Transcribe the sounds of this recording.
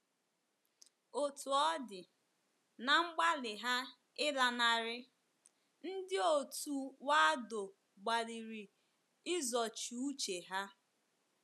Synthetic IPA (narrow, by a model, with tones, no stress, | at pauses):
o˨tu˨ɔ˦dɪ˨ | na˨ŋ͡m̩˦ɡ͡ba˦lɪ˨ɦa˦ | ɪ˦la˨na˨ɾɪ˦ | n̩˦dɪ˦o˨tu˨wa˦a˦do˨ | ɡ͡ba˨li˨ɾi˨ | ɪ˦zɔ˨t͡ʃu˨u˦t͡ʃe˨ɦa˦